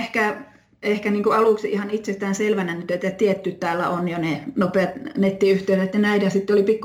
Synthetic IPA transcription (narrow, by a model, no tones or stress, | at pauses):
hkæ | ehkæniːŋkuɑluˑksiʔihɑnit̪sest̪æːnselʋænænyt̪et̪ːæt̪iet̪ːyt̪t̪æːlːæ̰onjonenopeɑt̪net̪ːiyht̪eˑysæet̪ːænæitæsit̪ːeolipikː